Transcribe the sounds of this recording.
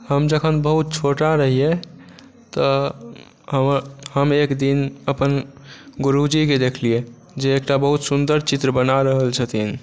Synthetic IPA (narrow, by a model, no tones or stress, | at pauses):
həmd͡ʒəkʰənbəɦut̪̚t͡ʃʰoʈaɾəɦije | t̪ə | ɦəhəmekd̪inəpənɡuɾud͡ʒiked̪ekʰlie | d͡ʒeːkʈabəɦut̪sund̪əɾt͡ʃit̪ɾəbənaɾəɦəlt͡ʃʰət̪ʰin